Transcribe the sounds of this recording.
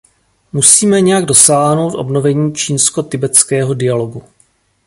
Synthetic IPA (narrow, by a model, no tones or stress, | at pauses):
musiːmɛɲɛjaɡdo̞saːɦno̞wt̪ʔo̞̰bno̞vɛɲiːt͡ʃiːnsko̞t̪ɪbɛt͡skɛːɦo̞dɪjalo̞ɡu